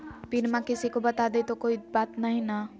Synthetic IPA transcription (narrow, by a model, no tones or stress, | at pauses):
piɾmãkɪsikobɐt̪ad̪et̪okoːibaːt̪nɐɦĩna